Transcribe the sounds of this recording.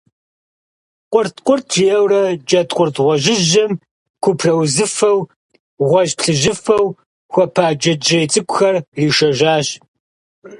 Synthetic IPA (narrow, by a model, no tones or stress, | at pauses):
qʷʊrtqʷʊrtʰjɛwrɐd͡ʒɐtqʷʼʊrtʁʷɔʒɪʒɐm | kʷʰʊpʰrɐwzɨfɐw | ʁʷɔʒpɬɨʒɨfɐw | xʷɔpʰaːd͡ʒɐd͡ʒɐjt͡sʼɨkʷʊxɐrriːʃɐʒaːɕ